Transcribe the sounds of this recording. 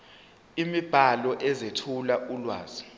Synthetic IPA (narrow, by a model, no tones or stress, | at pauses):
imib̥ʱalɔʔɛzetʰulaulwa̰ːz̥i